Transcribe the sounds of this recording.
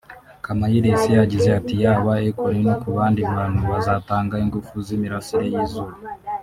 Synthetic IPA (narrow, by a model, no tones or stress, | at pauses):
kamajiɾesijaɟizeatijaβaekoɾenokuβaːndiβaːn̥huβazataːŋɡaiŋɡufuzimiɾasiɾejizuβa